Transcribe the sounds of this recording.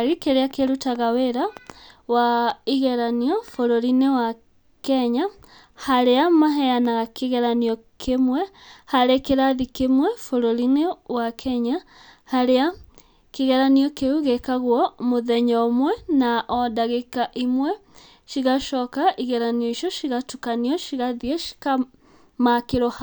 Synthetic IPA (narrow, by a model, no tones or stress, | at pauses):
ɣikeɾeakeɾutaɣaweɾawaiɣɛɾaniɔfoɾoɾinewa | kɛɲa | haɾeamaɦɛjanaɣakeɣɛɾanijɔkʰemwɛhaɾekeɾaðikemwɛfoɾoɾinewakʰɛɲahaɾea | keɣɛɾaniɔkeuɣekaɣwɔmoðɛɲɔːmwɛnaʔɔdaɣekaʔimwɛ | ʃiɣaʃɔkaʔiɣɛɾaniɔiʃjɔʃiɣatukaniɔʃiɣaðiɛʃi̥ka | makeɾoha